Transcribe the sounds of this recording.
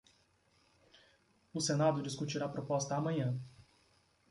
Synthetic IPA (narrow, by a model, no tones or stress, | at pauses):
ʊsenad̪ʊd͡ʒiskut͡ʃiɾapɾopɔst̪ɐamɐ̃ɲɐ̃